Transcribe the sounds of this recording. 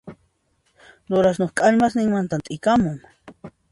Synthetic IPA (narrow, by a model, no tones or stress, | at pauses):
ɾʊɾasnoχkʼaʎmasnɪŋmant̪ant̪ʼɪkamʊŋ